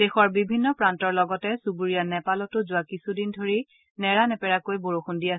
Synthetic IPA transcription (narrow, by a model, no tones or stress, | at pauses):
d̥exɔɹbibʱinːɔpɹantɔɹlɔɡɔtɛsubuɹijanɛpalɔtʊzʊakisudindʱoɹi | nɛɹanɛpɛɹakojboɹoxundiasɛ